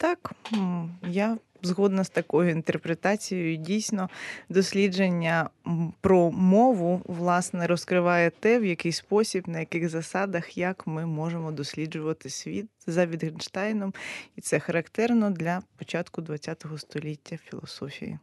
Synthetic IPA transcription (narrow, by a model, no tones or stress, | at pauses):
t̪ɑk | ja | zɦɔd̪nɐst̪ɐkɔjʊint̪erpɾet̪ɑt͡sʲijɔjʊdʲijsʲnɔd̪ɔsʲlʲid͡ʒenʲːɐpɾɔmɔʋʊʋlˠɑsnɛɾɔskɾɪʋɑjɛt̪ɛwjɐkɪjspɔsʲibnɐjɐkɪxzɐsɑd̪ɐxjɐkmɪmɔʒemɔd̪ɔsʲlʲid͡ʒʊʋɐt̪ɪsʋʲit̪zɐʋʲid̪ɣenʃt̪ɑjnɔmit̪sɛxɐɾɐkt̪ɛrnɔd̪lʲɐpɔt͡ʃɑt̪kʊd̪ʋɐt͡sʲːat̪ɔɦɔst̪ɔlʲitʲːɐfʲilˠɔsɔfʲḭjḭ